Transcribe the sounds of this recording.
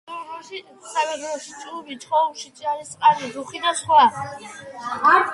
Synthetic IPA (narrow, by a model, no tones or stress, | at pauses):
ɔʃi | saɡɛdɾɔʃi̥t͡ʃʼlubit͡ʃʰχɔumʃit͡ʃʼaɾisʼqʼanid̪uχid̪asχwa